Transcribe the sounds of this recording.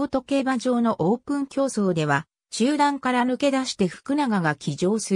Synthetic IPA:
t̪o̞ke̞ːbaʑo̞ːno̞ʔoːpɯ̟̃ŋkʲo̞ːso̞ːd̪e̞βa | ɕɨːd̪ãŋkaɾanɯ̟ke̞d̪aɕi̥t̪e̞ɸɯ̟̥kɯ̟naɡaɡakʲiʑo̞ːsɨ

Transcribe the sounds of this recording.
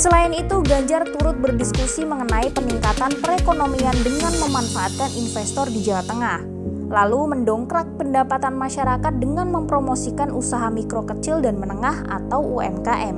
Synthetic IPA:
səlaɪnit̪uɡaɲd͡ʒart̪uɾʊt̪̚bərdiskusiməŋənaipəniŋkat̪anpəɾekonomiandəŋanməmanfaat̪̚kaninfɛst̪ɔrdid͡ʒalat̪əŋah | laluməndɔŋkɾak̚pəndapat̪anmaʃaɾakat̪̚dəŋanməmpɾomosikanʔusaɦamikɾokət͡ʃɪldanmənəŋaha̰t̪awuɛ̰mkaʔɛm

